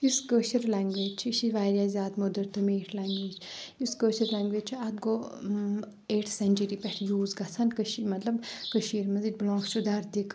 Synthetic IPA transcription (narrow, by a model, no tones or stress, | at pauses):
juskəːʃɐɾlaːŋɡʋeːd͡ʒt͡ʃʰiʃiʋaːɾʲjazʲaːt̪mod̪əɾt̪ɨmeːʈʰlaːŋɡʋeːd͡ʒʰjuskəːʃɐɾlaːŋɡʋeːd͡ʒt͡ʃʰiɐt̪̚ɡo | eːʈʰsɐnʲt͡ʃəɾipɛʈʰjuːzɡɐt͡sʰɐnkəʃimɐt̪lɐbkəʃiːɾmɐziʈʲblɔ̃ːŋkt͡ʃʰud̪ɐɾd̪ikʰ